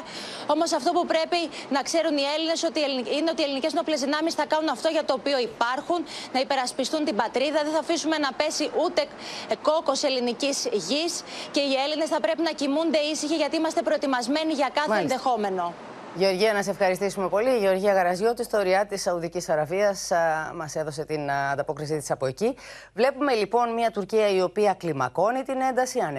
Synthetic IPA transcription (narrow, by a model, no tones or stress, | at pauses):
o̞mo̞sɐft̪o̞pupɾe̞pinɐkse̞ɾunie̞line̞so̞t̪ielinineo̞t̪ie̞linice̞znople̞zðinɐmisθɐkɐnunɐft̪o̞ʝɐt̪o̞ːpio̞ipɐɾxunnɐipe̞ɾɐspist̪unt̪imbɐt̪ɾiðɐðeθɐfisume̞nɐpe̞siʔut̪e̞ | ko̞ko̞se̞linicizʝisce̞ie̞line̞sθɐpɾe̞pinɐcimund̪e̞isiçiʝɐt̪iimɐst̪e̞pɾo̞et̪imɐzme̞niʝɐkɐθɐenðe̞xo̞me̞no̞ | ʝeo̞ɾʝiɐnɐs̬efxɐɾist̪isume̞po̞liːʝeo̞ɾʝiɐɣɐɾɐzʝot̪ist̪oɾiɐt̪isɐuðicisɐɾɐviɐsmɐse̞ðo̞se̞t̪inɐnd̪ɐpo̞kɾisit̪i̥sɐpo̞eci | vle̞pume̞lipo̞nmiɐt̪uɾciɐio̞piɐklimɐko̞nit̪ine̞nd̪ɐsiɐne